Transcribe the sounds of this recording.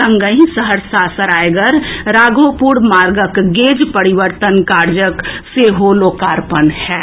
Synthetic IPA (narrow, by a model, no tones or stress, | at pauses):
ɐ̃ŋɡəĩsəɦəɾsaːsəɾaːeɡəɾɾaːɡopuːɾmaːɾɡəkɡeːd͡ʒpəɾiʋəɾt̪ənkaːɾd͡ʒəkseɦoloːkaːɾpənhɛː